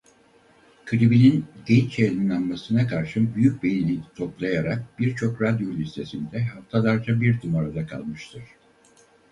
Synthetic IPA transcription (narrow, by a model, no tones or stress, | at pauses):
kʰɯɾibininɟɛnt͡ʃʰelinanmasɯnakʰaɾʃɯbyjyc̚bejinit̪ʰo̞plˠajaɾak̚b̥iɾt͡ʃʰo̞kɾad̪jo̞lʲist̪ʰe̞sind̪ɛɦaft̪ʰalˠaɾd͡ʒabiɾt̪ʰymaɾad̪akʰa̰lˠmɯʃt̪ʰɯɾ̥